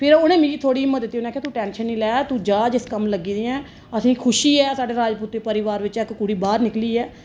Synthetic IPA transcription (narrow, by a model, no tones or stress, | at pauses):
pʰɪɾoːñẽːmĩːiːt̪ʰoːɽiːɪmːət̪̚d̪ɪt̪ːiːoːnẽaːkʰeːt̪uːʈɛːnʃənːĩːlɛːt̪ũːd͡ʒaːd͡ʒɪskəmləɡiːd̪ẽːɛ̃ː | əsĩːkʰʊʃiːɛːsaːɖeːɾaːd͡ʒpuːt̪ːeːpəɾɪʋaːɾʋɪt͡ʃɛkkuɽiːbaːɾnɪkliːɛː